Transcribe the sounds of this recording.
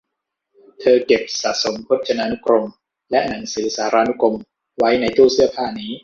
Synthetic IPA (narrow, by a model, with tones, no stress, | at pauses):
t̪ʰɤː˧ke˨˩p̚sa˨˩so˨˩˦mpʰu˦˥t̪̚t͡ɕʰa˧na˦˧nu˦˥kɾo˧m | lɛ˦˥na˩˦ŋsɯː˩˦saː˩˦˥ɾaː˧nu˦˥kʰo˧m | wa˦˥jna˧jt̪uː˥˩sɯ˥˩ɐpʰaː˥˩niː˦˥